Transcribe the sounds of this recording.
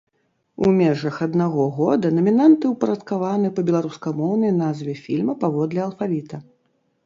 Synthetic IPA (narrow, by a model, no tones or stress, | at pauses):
ṵmʲɛʐɐxad̪naɣɔɣɔd̪ɐnɐmʲinant̪ɨwpɐɾɐt̪kavanɨpɐbʲɛlˠaɾuskɐmɔwnɐjnazvʲɛfʲilʲmɐpavɔd̪lʲɛɐlˠfavʲit̪ɐ